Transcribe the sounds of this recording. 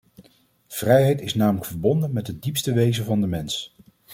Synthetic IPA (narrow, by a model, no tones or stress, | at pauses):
v̥rɛjɦɛjtɪsnaːmələkfəɹbɔndənmɛtɦədipstəʋejzənvɑndəmɛns